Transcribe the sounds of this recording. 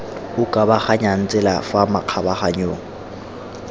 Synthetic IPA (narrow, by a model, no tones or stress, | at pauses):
ʊkʼabaχaɲan̩t͡sʼɛlafamaq͡χʰabaχaɲoːŋ̩